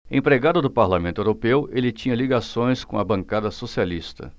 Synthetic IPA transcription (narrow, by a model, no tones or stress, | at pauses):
ẽpɾeɡad̪ʊd̪ʊpaɾlamẽnt̪ʊewɾopewelɪt͡ʃĩɲɐliɡasõj̃skõɐbɐ̃kad̪ɐsosialist̪ɐ̰